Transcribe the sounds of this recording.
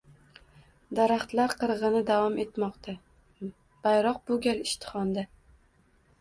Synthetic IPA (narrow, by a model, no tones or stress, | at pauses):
d̪aɾaχt̪laɾqʰɨɾʁɨnɪd̪avɒme̞t̪mɒqt̪ʰa | b̥ajɾɒq̚bʊɡʲalɪʃt̪ʰɪ̥χɒnd̪a